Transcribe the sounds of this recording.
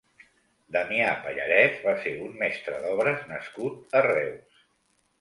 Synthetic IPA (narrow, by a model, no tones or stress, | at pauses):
d̪əmiapəʎə̰ɾɛsβaseummɛst̪ɾəðɔβɾəznəskut̪̚ərɛws